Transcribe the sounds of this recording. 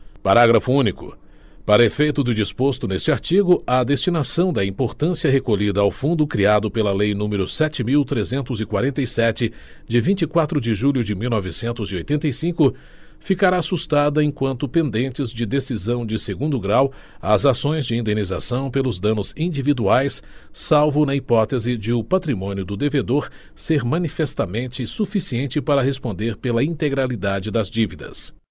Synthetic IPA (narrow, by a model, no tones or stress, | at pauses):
paɾaɡɾɐfʊũnikʊ̰ | paɾɐefejt̪ʊd̪ʊd͡ʒispost̪ʊnest͡ʃɪaɾt͡ʃiɡʊɐd̪est͡ʃinasɐ̃w̃d̪ɐĩmpoɾt̪ɐ̃siɐɦekoʎid̪ɐawfũnd̪ʊkɾiad̪ʊpelɐlejnũmɪɾʊsɛt͡ʃɪmiwt̪ɾezẽnt̪ʊzɪkwaɾẽnt̪ɐjsɛt͡ʃɪ | d͡ʒɪvĩnt͡ʃikwat̪ɾʊd͡ʒɪʒuʎʲjʊd͡ʒɪmiwnɔvɪsẽnt̪ʊziojt̪ẽnt̪ɐjsĩkʊ | fikaɾaːsust̪ad̪ɐẽkwɐ̃nt̪ʊpẽnd̪ẽnt͡ʃɪzd͡ʒɪd̪esizɐ̃w̃d͡ʒɪseɡũnd̪ʊɡɾaw | ɐzasõj̃zd͡ʒɪĩnd̪eniza̰sɐ̃w̃pelʊzd̪ɐ̃nʊzĩd͡ʒivid̪uajsːawvʊnɐipɔt̪ezɪd͡ʒɪʊpat̪ɾimõnjʊd̪ʊd̪eved̪oɾ | seɾmɐ̃nifest̪amẽnt͡ʃɪsufisiẽnt͡ʃɪpaɾɐɦespõnd̪eɾpelɐĩt̪eɡɾalid̪ad͡ʒɪd̪ɐzd͡ʒivid̪ɐ̰s